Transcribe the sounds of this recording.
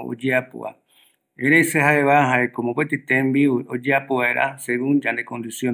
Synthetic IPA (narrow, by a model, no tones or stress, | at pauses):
o̰d͡ʒeapo̰a̰ | ẽɾejseɦaeβaɦaekomõpet̪it̪ẽmbiwiʔod͡ʒeapoβaeɾʔa̰seɡuŋd͡ʒãnd̪ekõ̞nd̪isjo